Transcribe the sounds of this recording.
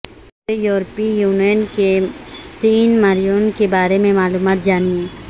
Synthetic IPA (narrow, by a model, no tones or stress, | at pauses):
ɾejoːɾpijuːnijənkesiːnmaɾijuːnkebaːɾemẽmaːluːmaːt̪̚d͡ʒaːniẽː